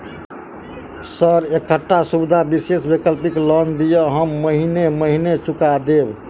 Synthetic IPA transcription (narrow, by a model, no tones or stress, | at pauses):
səɾekʰəʈːasubd̪ʱabisesbekəlpiklɔnd̪ijəɦəmːəɦineməɦinet͡ʃukad̪eb